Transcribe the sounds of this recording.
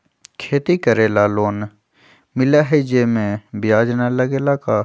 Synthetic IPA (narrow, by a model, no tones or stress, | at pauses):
kʰeːt̪ikəɾeːlaːloːn | mɪlaɦed͡ʒeːmẽbjaːd͡ʒnaləɡeːlakaː